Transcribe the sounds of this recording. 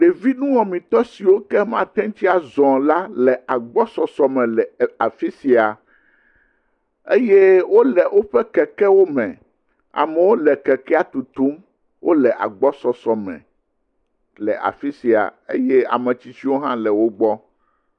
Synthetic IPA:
ɖe˨vi˦nũ˦wɔ̃˨mĩ˨t̪ɔ˦si˨wo˦kɛ˦mã̰˦t̪ɛ̃˦ŋ˦t͡ɕi˦a˨zɔ̃˨la˦lɛ˨a˨ɡ͡bɔ˦sɔ˨sɔ˨mɛ̃˨lɛ˨a˨fi˦si˨a˨ | e˦je˦wo˦lɛ˨wo˦ɸɛ˦kɛ˨kɛ˦wo˦mɛ̃˨ | a̰˨mɛ˨wo˦lɛ˨kɛ˨kɛ˦a˨t̪u˨t̪u˦m | wʔo̰˦lɛ˨ʔa̰˨ɡ͡bɔ˦sɔ˨sɔ˨mɛ̰̃˨ | lɛ̰˨ʔa̰˨fi˦si˨a̰˨ḛ˦je˦a̰˨mɛ̃˨t͡ɕi˦si˦wo˦ɦã̰˦lɛ˨wo˦ɡ͡bɔ˦

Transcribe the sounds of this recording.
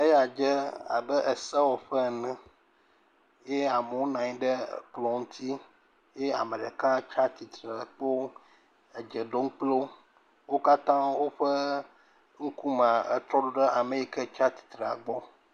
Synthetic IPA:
e˦ja˨d͡ʒɛ˦a̰˨bə˦ʔə˨sɛ˦wɔ˨ɸə˦˨nɛ̃˨ | je˦a˨mə˨wo˦nã˨ɲĩ˦ɖə̰˦˨k͡plɔ̃˨ŋ̩˦t̪ʰi˦ | je˦a̰˨mə˨ɖə˨kã˦t͡ʃa˦t̪i˨t̪ɾə˨k͡po˦ | e˨d͡ʒə˨ɖo˦ŋ̩˦k͡plo˦ | wo˦ka˦t̪ã˦wo˦ɸə˦ | ŋ̩˦ku˦mã˨ə˨t̪ɾɔ˦ɖo˦ɖə˦ʔa˨me˨ji˦˨kɛ˦t͡ʃa˦t̪i̥˨t̪ɾe˨a˨ɡ͡bɔ˦

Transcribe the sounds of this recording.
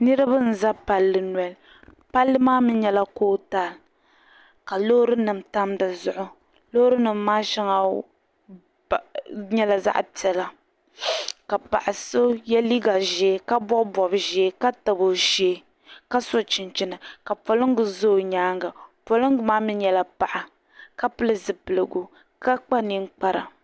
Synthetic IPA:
nɨ˦ɾɨ˦ba˦n̩˨za˦pa˨lːɨ˨nwɛ˨l | pa˦lːɨ˦maː˦mi˦ɲɛ˦la˦koː˦ta˨l | ka˨lo˦ɾɨ˦nɨ˨m˨ta˦mda˨zʊ˨ʔʊ˦ | lo˦hɾɨ˦nɨ˨mːaː˦ʃɛ˦ŋa˨ | ɲɛ˦la˨za̰˦ʔpi˨ɛ˦la˨ | ka˨pa̰˨ʔa˨so˦jɛ˦li˦ɡa˨ʒɛː˦ka˦bɔ˦bɔ˨bɨ˨ʒɛː˦ka˦ta˨bo˨ʃeː˦ | ka˦so˦t͡ʃɪ˨nt͡ʃɪ˦nɨ˨ka˨po˨lɨ˦ŋ˦ɡɨ˨zo˦˨ɲaː˦ŋɡa˨po˨lɨ˦ŋ˦ɡɨ˨maː˦mi˦ɲɛ˦la˨pa˨ʔa˨ | ka˦pɨ˦lɨ˦zɨ˨pɨ˨lɨ˨ɡʊ˨ | ka˦k͡pa˦ni˦ŋ˦k͡pa˦ɾa̰˨

